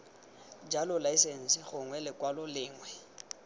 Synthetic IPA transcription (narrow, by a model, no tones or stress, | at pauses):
d͡ʒalʊlaisen̩sɪχʊŋwɛlɪkwalɔlɪːŋwɛ